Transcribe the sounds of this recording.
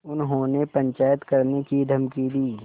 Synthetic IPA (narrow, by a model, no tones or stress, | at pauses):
ʊnɦõnepɐ̃ɲt͡ʃaːjət̪kɐɾnekid̪ʱɐmkid̪iː